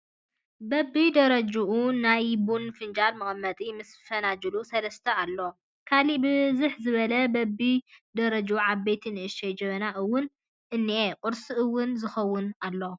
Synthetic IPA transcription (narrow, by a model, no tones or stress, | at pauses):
bɐbːid̪ɐɾɐd͡ʒuʔunajbunfɨnd͡ʒalmɨχʼmːɐt̪ʼimɨsfɐnad͡ʒɨlusɐlɐst̪ʰɐalːo | kʰalibɨzɨħzɨβɐlɐbɐbid̪ɐɾɐd͡ʒuʕaβbet̪ʰinɨʔɨʃɐjd͡ʒɐβɐnaʔɨwːʊn | ʔɨnːiʔekʼʊɾsiʔɨwːʊnzɨxɐwːʊnalːo